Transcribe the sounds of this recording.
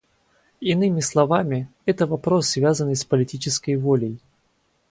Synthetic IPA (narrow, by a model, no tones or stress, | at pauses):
ɪnɨmʲɪslˠɐvamʲɪɛt̪əvɐpɾo̞sːvʲazənːɨjspəlʲɪtʲit͡ɕɪskəjvolʲəj